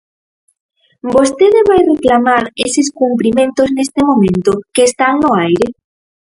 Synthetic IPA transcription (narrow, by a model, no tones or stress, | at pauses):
bost̪eðeβajreklamaɾeseskumpɾimẽnt̪oznest̪emõmẽnt̪okeːst̪aŋnoajɾe